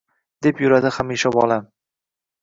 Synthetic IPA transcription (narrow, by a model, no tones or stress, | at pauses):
d̪̥e̞pjʊɾad̪ɪχamiʃabɒlˠa